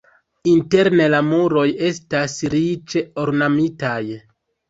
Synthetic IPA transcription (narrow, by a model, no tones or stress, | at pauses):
inte̞ɾne̞lamuɾo̞je̞stasɾit͡ʃeoɾnamitaj